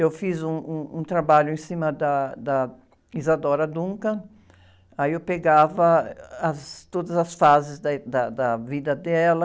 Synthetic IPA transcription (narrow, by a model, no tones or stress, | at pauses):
ewfizũũũt̪ɾabaʎʊẽsĩmɐd̪ɐd̪ɐ | izad̪ɔɾɐd̪ũŋkɐ | aiewpeɡavɐːst̪od̪ɐzɐsfazɪzd̪d̪ɐd̪ɐvid̪ɐd̪ɛlɐ